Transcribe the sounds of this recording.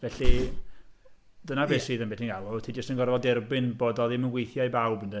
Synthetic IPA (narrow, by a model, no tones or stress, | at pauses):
vɛɬi | d̥ənabeːsiːðənmbɛtinɡalˠʊtʰiːdd͡ʒəstənɡɔrvɔdɛrbɪnboːdɔðɪmənɡwejθjajbawbəndə